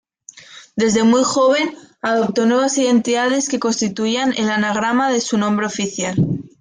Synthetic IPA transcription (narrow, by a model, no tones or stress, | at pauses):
d̪e̞zðe̞mujxo̞β̞e̞naðo̞p̚t̪o̞nwe̞β̞asiðe̞nt̪iðað̞e̞ske̞ko̞nst̪it̪uiane̞lanaɣ̞ɾamaðe̞sunõmbɾeo̞fiθjal